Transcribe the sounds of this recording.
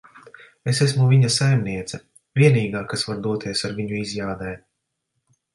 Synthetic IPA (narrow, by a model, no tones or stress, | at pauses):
esesmuvʲiɲasajmniɛt̪sɛ | vʲiɛniːɡaːkasvaɾd̪uɔt̪ʰiɛsaɾvʲiɲuizʲjaːd̪ɛj